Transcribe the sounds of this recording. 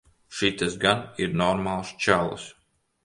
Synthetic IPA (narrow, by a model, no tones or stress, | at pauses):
ʃit̪ɨsɡaniɾnɔɾmaːlˠst͡ʃal̰ˠs